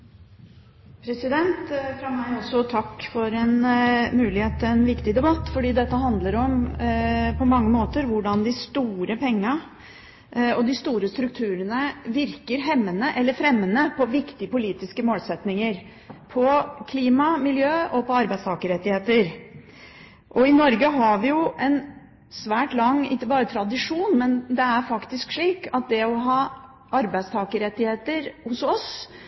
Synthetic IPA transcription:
pʰɾɛsɪd̪ɛnt̪fɾɑmæɪɔsːɔt̪ʰɑkːfɔɾɛnmʉːlɪheːt̪̚ːɪɛnʋɪkt̪ɪd̪ɛbɑt̪ːfɔɖiːd̪ɛt̪ːəɦɑnd̪ləɾɔm | pʰɔmɑŋːəmoːt̪əɾʋʊɖɑnd̪ɪst̪uːɾəpɛŋːɑ | ɔd̪ɪst̪uːɾəst̪ɾʉk̚t̪ʰʉːɾənəʋɪɾkəɾɦɛmːənəʔɛlːəɾfɾɛmːənəpʰɔʋɪkt̪ɪəpʊliːt̪ɪskəmoːlsɛt̪nɪŋəɾ | pʰɔkʰliːmɑmɪljøːɔpɔɑɾbæɪst̪ʰɑːkəɾɛt̪ːɪheːt̪əɾ | ʔɔɪnɔɾɡəɦɑʋɪjʊɛn | sʋæːʈlɑŋːɪ̰kːəbɑːɾət̪ʰɾɑd̪ɪʂuːnmɛnd̪ɛæɾfɑkt̪ɪskʂɭiːkɑt̪̚d̪ɛɔɦɑː | ʔɑɾbæɪst̪ʰɑːkəɾɛt̪ːɪheːt̪əɾhʊsɔs

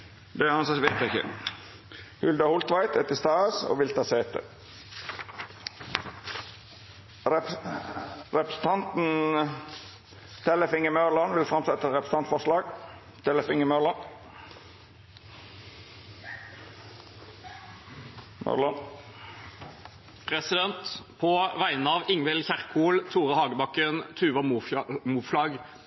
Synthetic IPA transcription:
d̪ɛhɑnsɑʋeɪt̪ɪçə̰ | hʉld̪ɑhʊlt̪ʋɑɪt̪ɛt̪ɪst̪ɑːəso̰ːʋɪlt̪ɑseːt̪ʰə̰ | ɾɛpɾə̥s̩t̪ʰɑnt̪n̩ | t̪ʰɛləfɪŋəmøːlɑnʋɪlfɾɑmsɛt̪ːəɛt̪ɾɛpɾəs̩ɑnt̪fɔʁʂlɑːɡ̥ | t̪ʰɛləfɪŋəmølən | mø̰lən | pʰʁɛsɪd̪ɛnt̪pʰoːʋæɪnəɑːʋɪŋʋɛlçæʁkʰuːlt̪ʰuːʁəhɑːɡəbɑkːənt̪ʰʉːʋɑmuːflɑːɡ

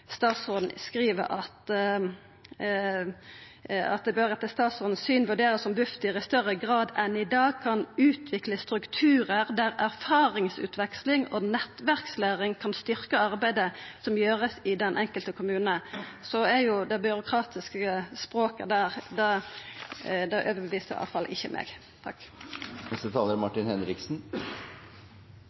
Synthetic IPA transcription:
st̪ɑːt̪sʁod̪n̩skʁiːʋə̰ɾɑt̪ | ɑ̰t̪̚d̪ɛbøɾɛt̪ːəst̪ɑːt̪sʁɔːd̪n̩syːnʋʉɖeːʁəsɔmbʉft̪ɪʁɪst̪œʁəɡʁɑːd̪ɛnɪd̪ɑːɡ̚kʰɑnʉːt̪ʰʋɪkləst̪ɾʉkt̪ʰʉːɾəʁd̪æɾæʁfɑːɾɪŋsʉ̰ːt̪ʰʋɛkslɪŋɔnɛt̪ʋæʁkslæːʁɪŋkʰɑnst̪ʏɾkəɑʁbæɪd̪əsɔmjøːʁəsɪd̪ɛnʔɛŋkəlt̪əkʰʊmʉːnnəsɔæɾjʊd̪ɛbʏɾʊkʰʁɑːt̪ɪskəspɾoːkə̰d̪æːʁd̪ɛ | d̪ɛʔøːʋəbɛʋiːsəɾɑ̰ːʋfɑlʔɪçːəmʔɛ̰ːɡ | t̪ʰɑ̰knɛst̪ət̪ʰɑːləɾmɑʈɪnhɛnɾɪksn

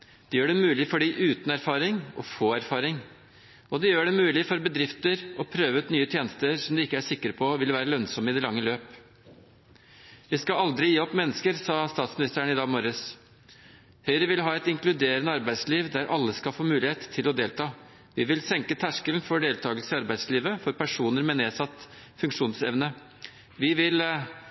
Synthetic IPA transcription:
d̪̥ɛjøːɖɛmʉːlɪfɔɖiʔʉːt̪n̩æɾfɑːɾɪŋɔ̰foːæɾfɑːɾɪŋ | ɔd̪ɛjøːɖɛmʉːlɪfɔɾbəd̪ɾɪft̪əɾɔpʰɾøːʋəʉt̪nyːət̪ʰjeːnəst̪əɾsɔmd̪ɛɪkːəæʂɪkːəɾpʰɔʋɪlʋæːɾəlœnsɔmɪd̪ɛlɑŋːəløːp | ʋɪskɑɑld̪ɾɪjiːɔpːmɛnːəskəɾsɑːst̪ɑːt̪smɪnɪst̪əɳ̩ɪd̪ɑːɡmɔɾəs | hœʏɾəʋɪlɦɑːɛt̪ɪŋklʉd̪eːɾənəɑɾbæɪsliːʋd̪æɾʔɑlːəskɑfoːmʉːlɪheːt̪ʰːɪlɔd̪eːlt̪ʰɑː | ʋɪʋɪlsɛŋkət̪ʰæʂkəln̩fɔɖeːlt̪ʰɑːɡəlsəɪɑɾbæɪsliːʋəfɔɾpʰæʂuːnəɾmɛneːsɑt̪ː | fʉŋkʂuːnsɛʋnə | ʋɪʋɪl

